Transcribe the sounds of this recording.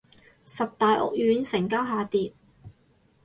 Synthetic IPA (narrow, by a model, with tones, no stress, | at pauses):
sɐ˨p̚t̪aː˨jʔɔ̰˨k̚jyː˨˥nsɪ˨˩ŋkaː˥wɦaː˨˧t̪iː˨t̚